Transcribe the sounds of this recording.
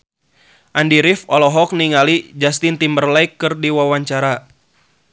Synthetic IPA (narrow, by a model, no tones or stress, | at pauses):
ʔandiɾifɔlɔɦɔk̚niŋalid͡ʒast̪ɪnt̪imbərlajkːɨrdiwawaɲt͡ʃaɾa